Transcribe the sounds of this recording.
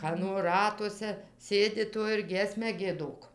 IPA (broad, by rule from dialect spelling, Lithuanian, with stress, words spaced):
ˈkɑːnoː ˈrɑːtuɔsʲɛ ˈsʲeːdʲɪ ˈtoː ɪr ˈɡʲiɛsʲmʲæː ɡʲiɛˈdoːk